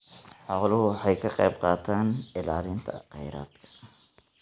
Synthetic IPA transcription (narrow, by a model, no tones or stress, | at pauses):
ħɔqlʊɦʊwħɑjkʰɐqɑjbqɑːt̪ʰaːnɪlaːlɪnt̪ʰɐ̰qɛjɾa̰ːd̪kʰɐ̥